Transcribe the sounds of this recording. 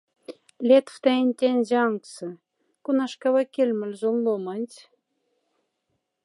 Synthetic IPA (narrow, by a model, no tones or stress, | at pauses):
lʲet̪ft̪æenʲt̪ʲenʲzeɑŋksɤ̆ | kunɑʃkɑβɑkʲelʲmɘ̆lʲzolːomɑnʲt̪ʲ